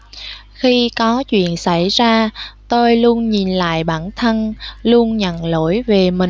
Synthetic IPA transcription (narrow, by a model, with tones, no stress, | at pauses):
xi˧kɔ˨˦t͡ɕwḭ˧˨ənsa˧˩jzaː˧t̪o˧jlu˧ənɲi˨˩nla̰ː˧˨jɓaː˧˩nt̪ʰə˧nlu˧ənɲə̰˧˨nlo̰˧˥jve˨˩mï˨˩